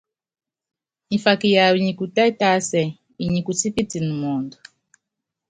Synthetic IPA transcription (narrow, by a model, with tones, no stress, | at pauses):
i˨fa˨ki˨ja˨wi˨ɲi˨ku˨ta˦i˦ta˦sɛ˨ | i˨ɲi˨ku˨si˦pi˦ti˨ni˨mɔː˨ndɔ˨